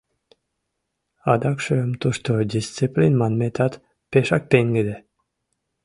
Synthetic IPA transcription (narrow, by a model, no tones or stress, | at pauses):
ɑd̪ɑkʃømt̪uʃt̪od̪ʲist̪siplʲinmanmet̪ʰat̪ | peʃɑk̚t̪eŋɡed̪e